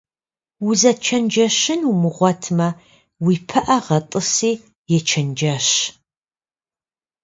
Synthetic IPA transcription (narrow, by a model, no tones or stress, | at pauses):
wuzɐt͡ʃʰɐnd͡ʒɐɕɪnumɨʁʷɔtʰmɐ | wiːpʰɐʔɐʁɐtʼɨsiː | jɛt͡ʃʰɐnd͡ʒɐɕ